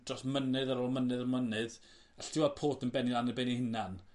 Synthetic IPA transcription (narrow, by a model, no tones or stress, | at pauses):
d̥rɔsmənɨðaɾoːlˠmənɨðɔmənɨð | aɬd̥ɪwapʰoːtʰənbɛnilˠanɪbenihɪnan